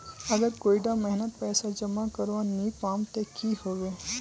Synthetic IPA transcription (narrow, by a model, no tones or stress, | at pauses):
əɡəɾkoiɖãmɛɦnət̪̚pɛsad͡ʒəmakəɾʋãnipamt̪ekiɦoʋe